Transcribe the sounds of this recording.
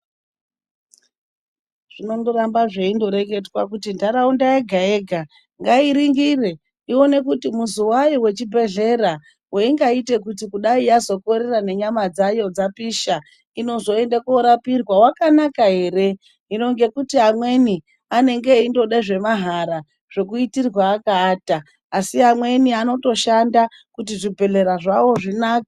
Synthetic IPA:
ʐ̥ino̞ndoɾambaʐe̞indo̞ɾe̞ɡe̞twak̬utindaɾaundaeɡʱae̞ɡʱa | ŋɡaiɾiŋɡire̞ | iwo̞ne̞kutimuzuwajiwe̞t͡ʃibʱe̞ɮe̞ɾa | weiŋɡaite̞kutikuɗaijazo̞ko̞ɾerane̞ɲamad͡zajo̞d͡zapiʃa | ino̞zo̞e̞ndakoɾapirwawakanakaɦe̞ːɾe̞ | ino̞ŋɡe̞kutiamwe̞ni | ane̞ŋɡe̞indo̞ɗaʐe̞maɦaɾa | ʐ̥e̞kuitirwaːkaːtaː | siamwe̞niano̞to̞ʃanda | kutiʐibʱe̞ɮe̞ɾaʐawo̞ʐinaːkḁ

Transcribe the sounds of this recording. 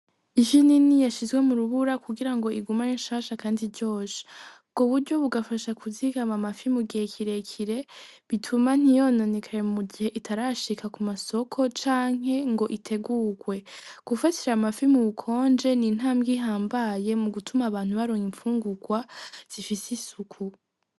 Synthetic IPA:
iʃininijaʃizɡwe̞muɾuβuɾakuɡiɾaŋɡo̞ʔiɡumajinʃaːʃakaːndiɾɟo̞ːsi̥ | ɡ̥oβuɾɟo̞βuɡafaʃakʰuzikamamafimuɡihekʰiɾe̞kʰiɾe̞βitʰuman̥ijo̞no̞nekʰaɾemuɡihe̞ʔitʰaɾaʃikʰakumaso̞kʰo̞t͡ʃaːŋ̥ɦe̞ŋɡo̞ʔitʰe̞ɡuːɡwe̞ɡ̥ufatiɾamafimuβukʰo̞ːnd͡ʒe̞nin̥ɦaːmɡiɦaːmbaje̞muɡutʰumaːβaːnhuβaɾoːŋiɱfuːŋɡuɡwaz̥ifisisukʰu

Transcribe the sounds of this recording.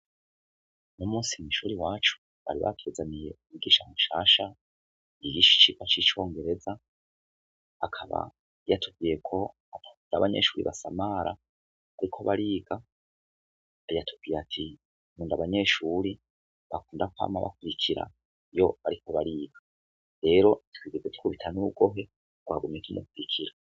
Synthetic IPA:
numuːsimiʃuːɾiwaːt͡ʃu̥ | βa̰ɾiβa̰tʰwezamije | iɡiːʃamuʃaːʃa | iɡiʃi̥t͡ʃiɡat͡ʃit͡ʃo̞ːŋɡe̞ɾe̞za | kʰaβa̰ | jatʰuɡɡijekʰo̞ | atundaβaɲe̞̰ʃuːɾḭβasamaɾʔa | βaɾikʰo̞βaɾiːɡa | jatuv̥ɡijatʰi | muːndaβaɲe̞ːʃuɾi | βakuːndakuha̰maβa̰kuɾikʰiɾa̰ | jo̞aɾikʰo̞βaɾiːɡ̥a | ɾe̞ːɾo̞itwiːɡezeti̥kuβitʰanuɾuɡo̞ɦe̞ | ɡwa̰ːɡumɲekinuk̚uɾikʰiɾa

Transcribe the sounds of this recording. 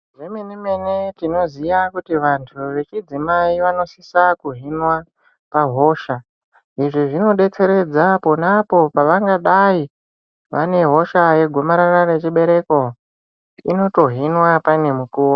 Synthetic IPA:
ʐemeneme̞netino̞zijakutiʋantʰuʋe̞t͡ʃid͡zimaiʋano̞sisakuɦinwa | paɦo̞ʃa | iʐiʐino̞ɗe̞t͡se̞ɾe̞d͡zapo̞napo̞paʋaŋɡaɗai | ʋane̞ɦo̞ʃaje̞ɡʱo̞maɾarare̞t͡ʃiɓe̞ɾe̞ko̞ | ino̞to̞ɦinwapane̞mukuːo

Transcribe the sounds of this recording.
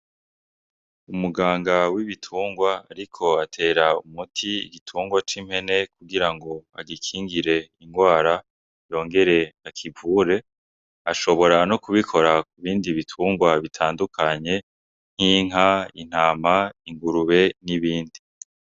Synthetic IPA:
umuɡaːŋɡawiβitʰuːŋɡwaːɾikʰo̞atʰe̞ːɾaumutʰiḭɡitʰuːŋɡwat͡ʃim̥he̞ne̞kuɡiɾaŋɡo̞a̰ɡikʰiːŋɡiɾe̞iŋɡwaːɾa | jo̞ːŋɡe̞ɾe̞akʰivuːɾe̞ | aʃo̞βo̞ɾanokuβikʰo̞ɾakuβiːndiβitʰuːŋɡwaβitʰaːndukʰaɲe̞ | ŋ̥hiːŋ̥ɦain̥haːmaiŋɡuɾuβe̞niβiːndi

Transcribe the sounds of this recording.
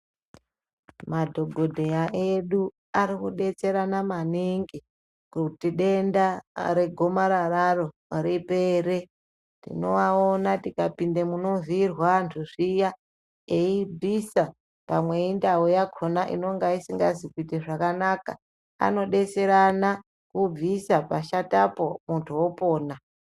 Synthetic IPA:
madʱo̞ɡʱo̞dʱeaʔeɗu | aɾikuɗe̞t͡se̞ɾanamaniŋɡi | kutiɗe̞ndaɾe̞ɡʱo̞maɾararo̞ | ɾipe̞ːɾe̞ | tḭno̞̰waonatikapindemuno̞virwantʰuʐija | eibisa | pamweindaojakʰonaʔḭno̞ŋɡaisiŋɡazikitiʐakanaka̰ | a̰no̞ɗe̞t͡se̞ɾana | kub͡visapaʃatapo̞muntʰuwo̞poːna

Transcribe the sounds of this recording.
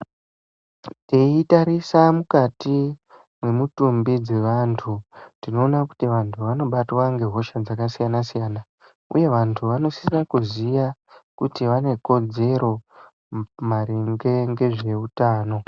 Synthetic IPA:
teitaɾisamukati | mwe̞mutumbid͡ze̞ʋantʰutino̞ːnaku̥tiʋantʰuʋano̞ɓatwaŋɡe̞ɦo̞ʃad͡zakasijanasijaːna | ṵje̞ʋantʰuʋano̞si̥srakuzijakutiʋane̞ko̞d͡ze̞ɾo̞ | maɾiŋɡe̞ŋɡe̞ʐe̞utaːno̞

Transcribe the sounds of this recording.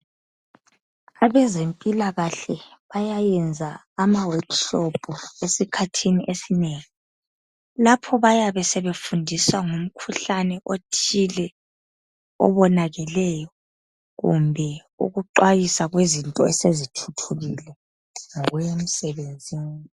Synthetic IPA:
aβɛzempʼilaɣaɬɛβajajɛnd͡zʱaː | mawadʃopʰʼuesikʰatʰiniʔesineːŋi | lapʰɔβajaβɛsɛβefundʱiswaŋum̩kʰuɬanɛʔotʰilɛ | ɔ̰βɔnaɣɛlɛjɔ | ɣṵmbʱɛ | ṵɣuǃwajisaɣwezintʼɔɛsezitʰu̥tʰuɣilɛ | ŋɔɣwjem̩sɛβend͡zʱiːni

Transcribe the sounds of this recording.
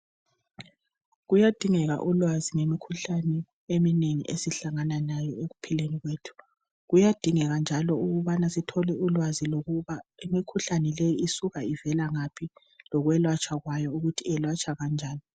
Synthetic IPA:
ɣujad̥ʱiŋɛɣa̰ʔulwaziŋemikʰuɬanɛ | emineŋḭʔesiɬaŋananajɔeɣupʰileniɣweːtʰu̥ | ɣujad̥ʱiŋɛɣand͡ʒʱalɔuɣuβanasitʰɔlɛulwaziloɣuβaemikʰuɬanɛlejiisuɣaivɛlaŋapʰi | lɔɣwɛlwat͡ʃʰʼaɣwajɔuɣutʰiɛlwat͡ʃʰʼaɣand͡ʒʱaːni

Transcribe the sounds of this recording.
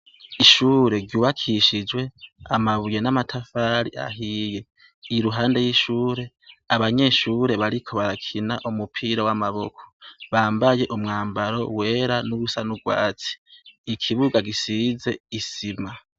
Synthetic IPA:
iʃuːɾe̞ɾjuːβakʰiʃid͡ʒwe̞a̰maβuje̞namatʰafaɾḭʔa̰ɦije̞ | iɾuɦaːnde̞jiʃuːɾe̞ | aβaɲe̞ːʃuːɾe̞βaɾikʰo̞βaɾakʰinaʔumupʰiɾawamaβo̞kʰo̥βaːmbaje̞ʔumŋaːmbaɾo̞̰we̞ːɾanuβusanuɡwa̰ːt͡si̥ːkʰiβuɡaɡisize̞isima

